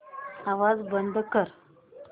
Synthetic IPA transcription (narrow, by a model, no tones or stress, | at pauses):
aʋad͡zbənd̪ʱkəɾ